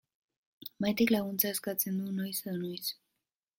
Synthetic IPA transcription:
majt̪iklaɣunt͡saeskat͡se̞nd̪unojseðonojs

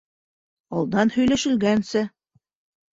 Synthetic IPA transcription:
ɑlˠd̪ɑnhɵ̆jlæʃɘ̆lɡænsɘ

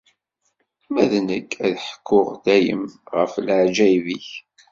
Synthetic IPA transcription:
mæðnəkʰːæðħə̥kʰːʊʁd̪æjə̰mʁə̰fləʕd͡ʒæjviç

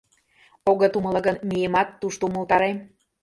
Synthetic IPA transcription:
oɣət̪uməlɤ̆ɣənmʲijemɑt̪ːuʃt̪oumə̆lt̪ɑɾem

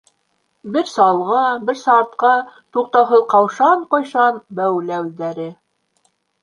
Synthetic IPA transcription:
bɘɾsɑlˠʁɑbɘɾsɑɾt̪̚qɑt̪uq̚t̪ɑwɦɤðqɑwʃɑɴqojʃɑnbæwlæwd̪æɾɘ

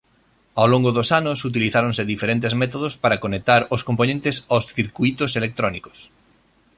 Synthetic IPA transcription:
awloŋɡoðosanʊsut̪̬iliθaɾõnseðifeɾent̪ezmɛt̪oðospaɾakonek̚t̪aɾoskomponẽnt̪ɪsawsθiɾkuit̪oselek̚t̪ɾɔniko̥s

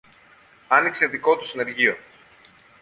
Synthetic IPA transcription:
ɐnikse̞ðiko̞t̪u̥sine̞ɾʝio̞

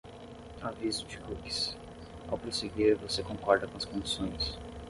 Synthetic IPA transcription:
avizʊd͡ʒikuki̥s | a̰wpɾoseɡeɾvosekõkɔɾd̪ɐkõɐskõd͡ʒisõj̃s

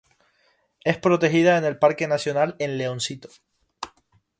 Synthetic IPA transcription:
e̞spɾo̞t̪e̞xiðaene̞lpaɾke̞nasjo̞nale̞nle̞õnsit̪o̥

